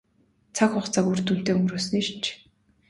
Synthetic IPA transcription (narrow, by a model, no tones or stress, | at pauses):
t͡sʰakχʊχt͡sakurt̪un̥t̪eːɵmɾoːsɘ̆niʃ̆nt͡ɕʰ